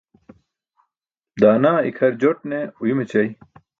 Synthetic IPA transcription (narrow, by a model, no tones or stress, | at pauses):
d̪aːnaːḭkʰɐɾd͡ʑoʈ̚neujumet͡ɕɐj